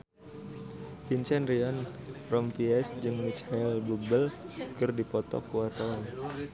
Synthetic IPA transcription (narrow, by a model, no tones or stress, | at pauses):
fint͡ʃɛnɾiɔnrɔmfiɛsd͡ʒɨŋmit͡ʃhɛlbubəlkɨrdipɔt̪ɔ̰kuwat̪awan